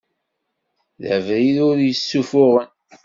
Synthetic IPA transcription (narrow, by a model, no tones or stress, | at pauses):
ðə̰vɾiðʊɾjəsːufʊʁən